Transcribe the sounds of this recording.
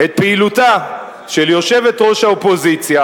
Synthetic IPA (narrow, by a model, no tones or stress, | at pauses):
et̪̚peiluta | ʃeljo̞ʃe̞vet̪ʁo̞ʃhaopo̞zit͡sja